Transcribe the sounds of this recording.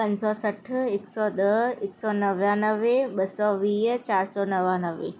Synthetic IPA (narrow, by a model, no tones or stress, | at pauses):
pɐ̃ɲd͡ʑsɔsəʈʰɪksɔːɗ̪əɪksɔːnəʋjãnəʋeɓɐsɔʋiːt͡ɕaːɾsɔnɐʋãːnəʋḛ